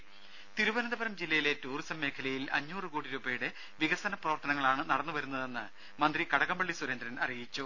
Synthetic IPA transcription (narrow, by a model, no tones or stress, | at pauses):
t̪iɾubɐnɐnd̪ɐbɐɾɐmd͡ʑilːɐjile̞tuːrisɐmːe̞ːkʰɐlɐjilɐ̰ɲːuːrɨkuːɽiɾuːbejuɽe | ʋiɣɐsɐnɐprɐʋɐrt̪ɐnɐŋːɐɭaːɳɨnɐɽɐnːuʋɐɾunːɐðe̞nːɨ | mɐnd̪rikɐɽɐɣɐmbɐɭːisuɾend̪ɾɐnɐ̰rijit͡ɕːu